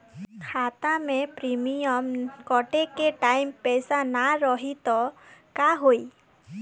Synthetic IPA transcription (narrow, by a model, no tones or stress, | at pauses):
kʰat̪amẽpɾimijɔmkɔʈekeʈajmpɛsanaɾɔɦit̪ɔkaɦoi